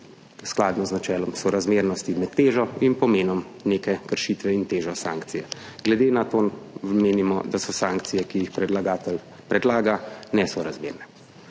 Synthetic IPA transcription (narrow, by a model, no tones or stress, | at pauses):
sklaːd̪nɔznat͡ʃɛːlɔmsɔɾazmeɾnɔst̪imɛt̪ːeːʒɔinpɔmeːnɔmneːkɛkəɾʃit̪ʋɛint̪eːʒɔsaːŋkt̪sijɛ | ɡ̥lɛd̪enat̪oːmeːnimɔd̪asɔsaːŋkt̪sijɛkijixpɾɛlaɡaːt̪ɛl | pɾɛd̪laːɡanɛsɔɾazmḛɾnɛ